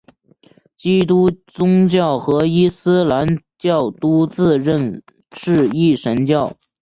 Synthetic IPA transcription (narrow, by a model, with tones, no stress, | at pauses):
t͡ɕi˥t̪u˥t͡sʊ˥ŋt͡ɕjɑ˥˩ʊxɤ˧˥i˥sɹ̩˥la˧˥nt͡ɕjɑ˥˩ʊt̪u˥t͡sɹ̩˥˧ɻə˥˧n | ʂɻ̩˥˧i˥˩ʂə˧˥nt͡ɕjɑ˥˩ʊ